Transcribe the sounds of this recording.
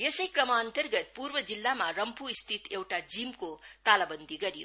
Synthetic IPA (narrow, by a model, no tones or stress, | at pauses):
jesʌjkrʌmaːnt̪ʌrɡʌt̪̚purbʌd͡zilːamarʌmpʰuist̪ʰit̪ewʈad͡zimkot̪alabʌnd̪iɡʌɾjo̰